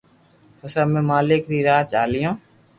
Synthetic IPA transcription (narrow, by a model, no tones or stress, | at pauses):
həsaːmẽːmaːlɪːkɾiːɾaːt͡ʃaːlɪjõː